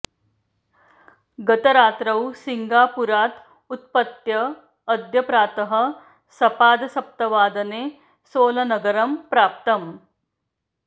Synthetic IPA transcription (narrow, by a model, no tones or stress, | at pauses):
ɡɐt̪ɐɾaːt̪ɾɐwsiŋɡaːpuɾaːt̪ | ut̪̚pɐt̪jɐː | d̪ʱjɐpɾaːt̪ɐɦɐ̆ | sɐpaːd̪ɐsɐp̚t̪ɐʋaːd̪ɐneː | soːlɐnɐɡɐɾɐmpɾaːp̚t̪ɐm